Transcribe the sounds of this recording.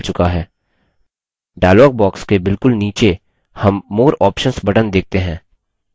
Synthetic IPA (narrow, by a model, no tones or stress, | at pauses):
t͡ʃʊkaɦɛː | ɖaːjlɔːɡ̚bɔːkskebɪlkʊlniːt͡ʃe | hɐmːoːɾɔːpʃənsbɐʈənd̪eːk̚t̪eɦɛ̃ː